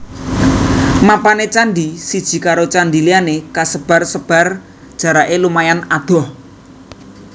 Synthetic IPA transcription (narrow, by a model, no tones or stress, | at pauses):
mapanet͡ʃandisid̥ʒ̥i̤kaɾot͡ʃandilianekasəb̥a̤rsəb̥a̤r | d̥ʒ̥ä̤ɾaʔelumajanad̪̥ɔ̤h